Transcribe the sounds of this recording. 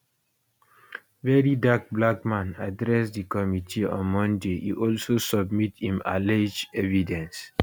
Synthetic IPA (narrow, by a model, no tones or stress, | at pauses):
vɛɹidak̚blak̚mãnadɹɛsdikɔmitʰiɔ̰̃nmɔ̃ndeḭʔɔlsosɔbmithĩma̰led͡ʒɛvidɛ̃ns